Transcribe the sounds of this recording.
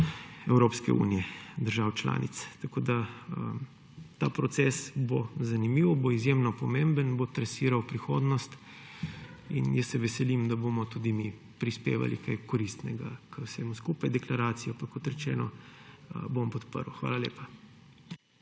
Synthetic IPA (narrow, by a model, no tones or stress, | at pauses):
ɛwɾopskɛ̰ṵːnijɛd̪əɾʒawt͡ʃla̰ːnḭt̪st̪akoːd̪aəm | t̪a̰pɾɔt̪sɛsbozanimiːwboizjemnɔpɔmẽmbənbot̪ɾɛsiːɾawpɾixoːd̪nɔst̪ | ḭnjəsːɛʋɛsɛlimd̪aboːmɔt̪uːd̪imi | pɾispḛːʋa̰lḭkajkɔɾist̪nɛɡa̰kəwsɛmuskuːpajd̪ɛklaɾaːt̪sijɔpakːɔt̪ɾɛt͡ʃɛ̰ːnɔəbompɔt̪pə̰ɾwxʋa̰ːlalḛːpa